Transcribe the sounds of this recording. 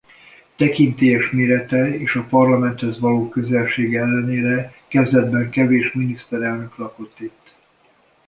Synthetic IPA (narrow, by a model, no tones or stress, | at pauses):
t̪ɛkint̪eːjɛʃmeːɾɛt̪ɛeːʃɒpɒrlɒmɛnt̪hɛzvɒloːkøzɛlʃeːɡɛlːɛneːɾɛkɛzd̪ɛd̪bɛŋkɛveːʃminist̪ɛɾɛlnø̞klɒkot̪ːit̪ː